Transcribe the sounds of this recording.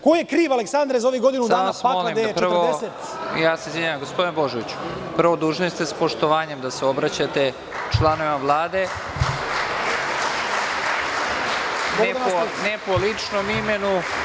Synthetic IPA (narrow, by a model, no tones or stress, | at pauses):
kojekɾiːʋaleksand̪ɾezaoʋiɡo̞d̪inud̪aːnasamolimd̪eprʋɾod̪ese | jaːseizvʲeɲaːamɡo̞spod̪inebo̞ʒoʋit͡ɕu̥pr̩ʋod̪uːʒnoest̪espo̞ʃt̪oʋaːɲe̞md̪aseo̞bɾat͡ɕat̪e̞ | t͡ʃlˠanoʋimaʋlˠaːd̪e̞ | neaonepolit͡ʂnomimenu